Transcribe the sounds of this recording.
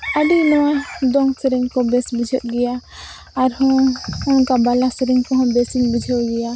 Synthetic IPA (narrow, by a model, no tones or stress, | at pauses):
əɖinɔwad̪ɔŋsɛɾɛŋkɔbɛsbid͡ʒʱət̪̚ɡɛjaː | ɾhɔ̃ɔkabalasəɾɛŋkɔɦɔ̃bɛsinbid͡ʒʱəwɡɛja